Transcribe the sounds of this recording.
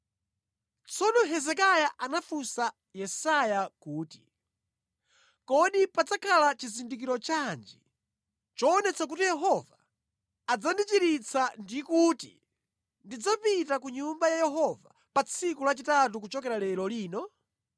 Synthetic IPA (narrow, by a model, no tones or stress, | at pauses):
t͡sʰɔnɔɦɛzɛkajaʔanafusa | jɛsajakuːti | kɔɗipad͡zakʰalat͡ʃizindik̬iɾɔt͡ʃand͡ʒi | t͡ʃɔːnɛt͡sʰakutijɛɦɔvaː | d͡zandit͡ʃiɾit͡sʰandikutḭ | ndid͡zapitakuɲumbajajɛɦɔva | pat͡sʰikulat͡ʃitat̬ukut͡ʃɔkɛɾalɛlɔliːnɔ